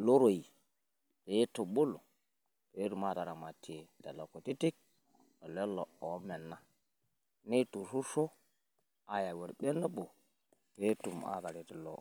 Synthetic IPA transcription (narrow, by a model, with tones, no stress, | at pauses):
lo˦ɾo˨i˨ | ɾe˨˦e˦to˨ɓo˦lo˨ | te˨˦ɾu˨ma˦˨ta˨ɾa˨ma˨tʰe˨da̰˨lo˨ko˨ti˦ti˦k̚ | o˨le˦lo˨o˨˦me˨nːa˦ | ni˦tu˨su˦so˦ | a˨ja˨we˨ɾɓe˦na˦ɓo˨ | e˦tu˨ma̰˨ta˨ɾi˨ti˨lo̰˨